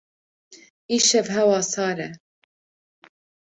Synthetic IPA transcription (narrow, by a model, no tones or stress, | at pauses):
iːʃɛvɦɛwɑːsɑːɾɛ